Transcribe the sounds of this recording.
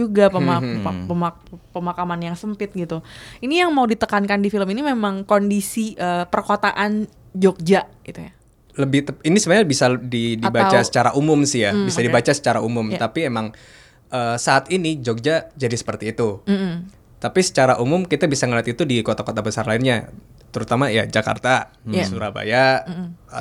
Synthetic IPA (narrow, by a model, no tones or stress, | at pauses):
d͡ʒuɡapəmapəma | pəmakamanjaŋsəmpɪt̪̚ɡit̪uinijaŋmaudit̪əkankandifiləminimemaŋkondisiʔəːpərkot̪aʔan | d͡ʒok̚d͡ʒaʔɡit̪uja | ləbɪht̪əinisəməɲabisadidibat͡ʃt͡ʃasə̥t͡ʃaɾaʔumʊmsɪhjabisadibat͡ʃasə̥t͡ʃaɾaumʊmapiemaŋ | ʔəːsaːt̪inid͡ʒok̚d͡ʒad͡ʒadisə̥pərt̪iːt̪u | t̪apisə̥t͡ʃaɾaʔumʊmkit̪abisaŋəliat̪it̪udikot̪akot̪abəsarlaɪnɲa | t̪əɾut̪amaja̰d͡ʒaka̰rt̪a | suɾaba̰ja